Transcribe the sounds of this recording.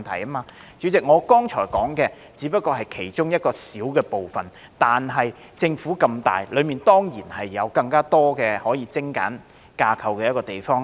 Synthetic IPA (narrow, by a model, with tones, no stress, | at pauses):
nt̪ʰɐ̰˨˩jɐː˥maː˧ | t͡ʃyː˨˥t͡sɪ˨k̚ŋɔː˨˧kɔː˥ŋt͡ʃʰɔː˨˩jkɔː˨˥ŋkɛː˧ | t͡siː˨˥pɐ˥t̚kɔː˧ɦɐ˨jkʰe˨˩jt͡ʃʊ˥ŋjɐ˥t̚kɔː˧siː˨˥wkɛː˧po˨wfɐ˨n | t̪aː˨nɦɐ˨j | t͡sɪ˧ŋfuː˨˥kɐ˧mt̪a̰ː˨jlɵ˨˧miː˨nt̪ɔː˥ŋjiː˨˩nhɐ˨jːɐ˨˧wkɐ˧ŋkaː˥t̪ɔː˥kɛː˧hɔː˨˥jiː˧t͡sɪ˥ŋka̰ː˨˥n | kaː˧kʰɐ˨wkɛː˧jɐ˥t̚kɔː˧t̪e˨jfɔː˥ŋ